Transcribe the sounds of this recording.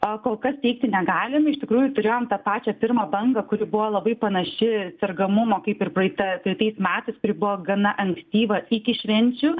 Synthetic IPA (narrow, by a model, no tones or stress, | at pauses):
okoːlˠkɐst̪ʲɛɪk̚t̪ʲɪnʲɛɡɑːlʲɪmɐɪʃʲt̪ʲɪkɾuːjʊt̪ʊɾʲeːjoːmt̪ɐpɑːt͡ʃʲɛpʲɪrmɐbɐŋɡɐkʊɾʲɪbʊʋoːlˠɐbɐɪpɐnɐʃʲɪt͡s̪ʲɛrɡɐmʊmoːkɐɪpɪrprɐɪt̪ɐpɾɐɪt̪ɐɪsmʲæːt̪ɐɪskʊɾʲɪbʊʋɔːɡɐnɐʔɐŋksʲt̪ʲiːʋɐɪkʲɪʃʲʋʲɛnʲt͡ʃʲʊ